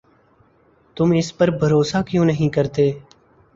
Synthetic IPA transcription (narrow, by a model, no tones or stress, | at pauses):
t̪ʊmɪspəɾbʱəɾoːsaːkjõːnəɦĩːkəɾt̪eː